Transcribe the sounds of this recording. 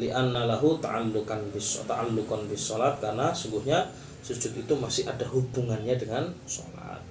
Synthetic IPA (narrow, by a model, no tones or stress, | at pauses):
liʔanːalaɦut̪a̰alːukanbɪsɔ̰t̪aʔalːukanbisːɔlat̪̚karnasuŋɡuhɲa | sud͡ʒʊt̪it̪umasɪhadaɦubuŋanɲadəŋansɔ̰la̰t̪̚